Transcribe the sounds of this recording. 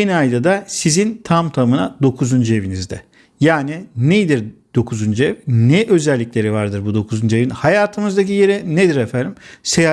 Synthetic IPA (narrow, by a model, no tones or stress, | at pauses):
eniajd̪ad̪asizint̪ʰamt̪ʰamɯnad̪o̞kʰuzund͡ʒe̞vinizd̪ɛ̰ | jaːninejd̪iɾd̪̥o̞kʰuzund͡ʒevnɛʔø̞zɛlʲːiclʲe̞ɾivaɾd̪ɯɾbud̪okʰuzund͡ʒevinhajaːt̪ʰɯmɯzd̪ac̬ije̞ɾɛned̪iɾefænd̪imseja